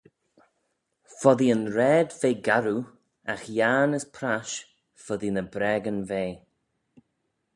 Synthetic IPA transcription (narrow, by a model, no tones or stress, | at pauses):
fɔðiənɾɛːd̪veːɡaɾu | axjaːnəspʰɾaʃ | fɔðinəbɾɛːɡənveː